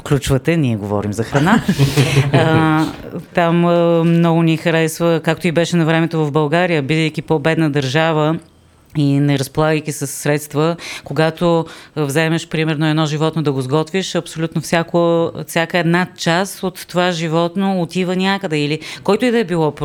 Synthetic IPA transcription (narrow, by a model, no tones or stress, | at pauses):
klʲut͡ʃvət̪ɛnʲiɛɡovɔ̰ɾimzɐxɾɐna | t̪ammnɔɡʊnixɐɾɛsvəkak̚t̪oibɛʃɛnɐvɾɛmɛt̪ovɐvbɐlˠɡaɾijəbid̪əjk̟ʲipobɛd̪nəd̪ɐɾʒavə | inɛɾɐspolˠaɡəjk̟isəsːɾɛt̪st̪vəkoɡat̪ovzɛmɛʃpɾimɛɾnoɛd̪nɔʒivɔt̪nod̪ɐɡozɡɔt̪viʃɐpsolʲut̪nofsʲjakofsʲjakəɛd̪nat͡ʃasot̪ːovaʒivɔt̪noːt̪ivənʲakəd̪ɛilikɔjt̪oid̪ɐɛbilˠɔp